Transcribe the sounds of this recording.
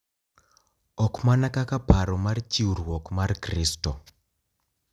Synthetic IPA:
ɔkmanakakapaɾɔmart͡ʃiuɾwɔkmarkristɔ

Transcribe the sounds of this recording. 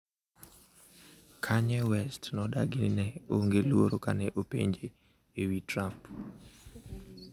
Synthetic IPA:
kʰaɲɛwɛstnɔdaɡɪnnɛoŋɡelwo̰ɾokanɛʔopḛɲd͡ʒeː | witɾamp

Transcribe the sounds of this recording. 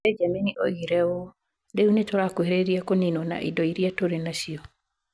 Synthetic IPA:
ɛd͡ʒaminiʔo̰ɣiɾɛo | deunetoɾakoeɾeɾiakoninona̰ʔḭdɔiɾiatoɾenasiɔ

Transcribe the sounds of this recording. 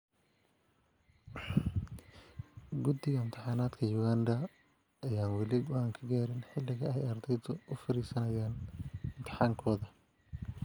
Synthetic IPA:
ɡʊd̪ɪɣɐɪmt̪ʰɪħɑːnaːd̪kʰɐjʊɣaːnd̪ɐː | jaːnwɑlɪɡʊaːŋkʰɐɡaːɾɪnħɪlːɪɣɐɛjɐrd̪ɛjðʊʔʊfɐɾiːsɐnɐjaːnɪmt̪ʰɪ̥ħaːŋkʰɔːðɐ

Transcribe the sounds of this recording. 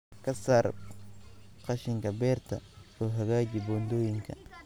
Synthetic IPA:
kʰɐsaːr | qɑʃɪŋkʰɐbɛːrt̪ʰɐ̰ɔːɦɐɣaːd͡ʒɪbɔnd̪ɔːjɪŋkʰɐ̰

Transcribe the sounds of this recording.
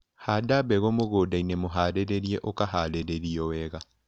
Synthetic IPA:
hadabɛɣomoɣoːdainemoɦaːɾeɾeɾieʔokaɦaɾeɾeɾiɔwɛɣa

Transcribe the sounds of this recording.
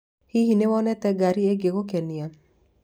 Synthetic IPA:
hihinewɔnɛt̪ɛɡaɾieɡeɡokenija

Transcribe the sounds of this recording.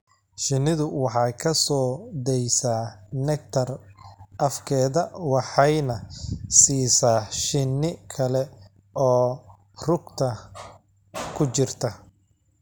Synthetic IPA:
ʃɪnɪðʊwɑħɑjkʰɐsɔːd̪ɛjsaːnɛk̚t̪ʰɐrʔɐfkʰɛːðɐwɑħɑjnɐsiːsaːʃɪnːɪkʰɐlɛ | ɔː | rʊɡt̪ʰɐ | kʰʊt͡ʃɪrt̪ʰɐ

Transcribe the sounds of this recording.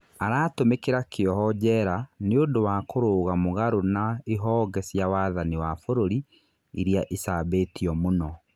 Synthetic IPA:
aɾaːtomekeɾakʰeɔɦɔd͡ʑɛɾaneondowakoɾoːɣamoɣaɾonaeɦɔːɡɛsjawaːðaniwafoɾoɾi | iɾiaʔisabeːtiɔmonɔ

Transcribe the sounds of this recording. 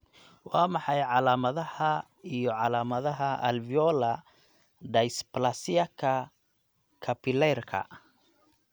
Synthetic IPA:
wɑːmɑħɑjʕɑlaːmɐðɐhɐ | ijɔʕɑlaːmɐðɐɦɐʔɐ̰lvijɔːlɐ | ɖ̪ɐjsplɐsɪjɐkʰɐ | kʰɐpʰɪlɛrkʰɐ̰

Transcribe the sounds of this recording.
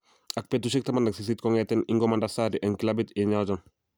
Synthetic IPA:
ɐk̚pɛtuʃ̬ɛk̚tɐmandɐksis̬it̪̚kɔŋɛtɛniŋɡɔmandasaɾiʔɛnkilabit̪iɲawd͡ʒɔn

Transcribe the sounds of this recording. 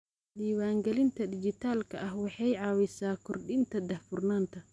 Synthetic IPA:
ɗiːwaːŋɡɛlɪnt̪ʰɐdɪd͡ʒɪt̪ʰaːlkʰɐʔɐhwɑħɑjʕɑːwɛsaːkʰɔrɗɪnt̪ʰɐd̪ɐhfʊrnaːnt̪ʰɐ

